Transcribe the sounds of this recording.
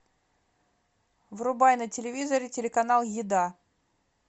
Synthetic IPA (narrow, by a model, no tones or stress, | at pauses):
vrʊbajnətʲɪlʲɪvʲizəɾʲɪtʲɪlʲɪkɐnalˠjɪd̪a